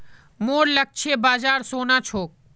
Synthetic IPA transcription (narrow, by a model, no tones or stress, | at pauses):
moːɾlək̚t͡ʃʰebaːd͡ʒaːɾsoːnat͡ʃʰoːk̚